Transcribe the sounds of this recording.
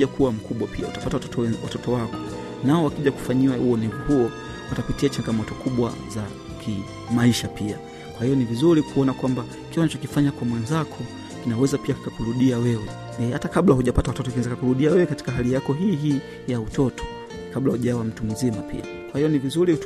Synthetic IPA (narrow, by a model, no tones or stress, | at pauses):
akuwam̩kuɓwapʰiautapatawɔwa̰tɔtɔwakɔ | naɔwakiʄaku̥faɲiwauɔnɛvuhuɔ | watapitiat͡ʃaŋɡamɔtɔkʰuɓwa̰za | kʰi | maiʃapia | kwahijɔnivizuɾikuɔnakwamba | kiwanat͡ʃɔkifaɲakwamwɛnzakʰɔ | kinawɛzapiakikakuɾuɗiawɛwɛ | ɛhatakaɓlahuʄapatawatɔtɔakinɛzakakuɾuɗiawɛwɛkati̥kaɦalijakɔɦiːɦiː | jautɔtʰɔ̥ | kaɓlahuʄawam̩tum̩zimapḭa̰ | kwahijɔnivizuɾi